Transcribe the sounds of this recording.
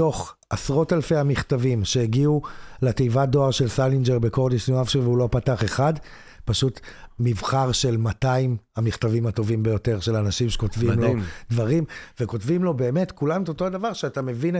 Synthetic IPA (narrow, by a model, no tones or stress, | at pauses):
to̞χ | asʁotalfe̞hamiχtavimʃe̞eɡiuletejvado̞aʁʃe̞lsalind͡ʒeʁbe̞koʁdiʃnuafʃiveulo̞pataχe̞χad | paʃutmivχaʁʃe̞lmataimhamiχtavimato̞vimbejo̞te̞ʁʃe̞lanaʃimʃe̥ko̞tvimlod̪vaʁimveko̞tvimlo̞be̞ːme̞tkulametoto̞adavaʁʃeatame̞vin